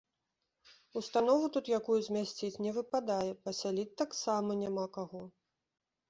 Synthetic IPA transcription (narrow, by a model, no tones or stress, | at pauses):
ust̪anɔvut̪ut̪jakujuzʲmʲasʲt͡sʲit͡sʲnʲɛvɨpad̪ajɛpɐsʲalʲit͡sʲt̪ːaksamɐnʲamakaɣɔ